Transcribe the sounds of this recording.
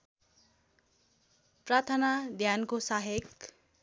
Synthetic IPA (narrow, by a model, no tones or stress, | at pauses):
prat̪ʰanad̪ʱjankosaɦek